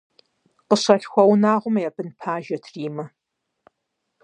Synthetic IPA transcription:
qəɕɐɬxʷɐwnaːʁʷʊmjɛbɨnpʰaːʒɐtʰriːmɐ

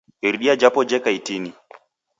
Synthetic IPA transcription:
iɾɗiad͡ʒapɔd͡ʒɛkaitini

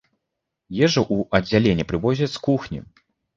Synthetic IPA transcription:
jɛʐɐʔuɐd͡zʲːalʲenʲːɛpɾɨvɔzʲɐskuxnʲḭ

